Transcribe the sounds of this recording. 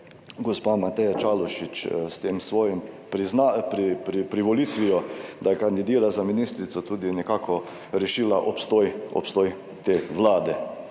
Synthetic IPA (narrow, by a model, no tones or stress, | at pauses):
ɡɔspaːmat̪ɛjat͡ʃaːlɔʃit͡ʃst̪eːmsʋoːjɛmpɾiznapɾipɾipɾiʋɔliːt̪ʋijɔd̪ajkand̪id̪iːɾazaminiːst̪ɾit̪sɔt̪uːd̪inɛkaːkʰɔ | ɾɛʃiːlaʔɔpst̪ojɔ̰pst̪oːj | t̪eːʋlaːd̪ɛ